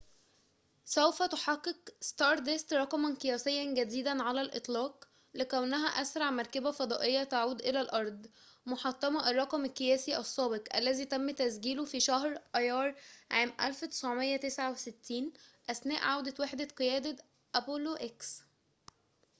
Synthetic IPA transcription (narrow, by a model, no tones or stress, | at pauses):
sæwfæt̪oħɑqːeqst̪ɑːɾˤt̪est̪ɾˤɑqmɑnkejæːsejːænɡæd̪iːd̪ænʕalælʔɨt̪ˤlɑːq | lekæwnæɦæʔæsɾˤɑʕmɑɾˤkæbæfɑd̪ˤɑːʔejːæt̪aʕuːd̪ʔelælʔɑɾˤd̪ˤ | moħɑt̪ˤːɑmɑʔɑrˤːɑqɑmækːejæːsiʔæsˤːɑːbeqʔælːæziːt̪æmːt̪æsɡiːlofiʃæhɾʔɑjɑːɾˤʕaːmʔæ̰lfwet̪e̥sʕomejːæt̪esʕaweset̪ːiːnʔæsnæ̰ːʔʕawd̪æt̪weħd̪æqejæːd̪æ | ʔæpoloʔeks